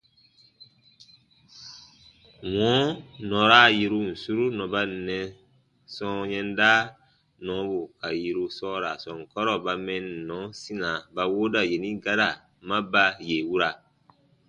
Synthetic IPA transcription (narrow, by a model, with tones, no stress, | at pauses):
wɔ̃˨˦nɔ̃˨ɾa˦˨ji˧ɾu˧n̩˨su˦ɾu˦nɔ̃˨ba˦˨nɛ̃˨ | sɔ̃˦ɲɛ̃˦ndaː˦ | nɔ̃˨˦bu˨ka˨ji˨ɾu˧sɔː˦ɾa˨sɔ̃˨ŋ˨kɔ˦ɾɔ˦ba˧mɛ̃˦n˨nɔ̃˨˦sĩ˦nã˨ba˨woː˦da˨je˨nĩ˦ɡa˦ɾa˨ | mã˦ba˧je˨wu˦ɾa˨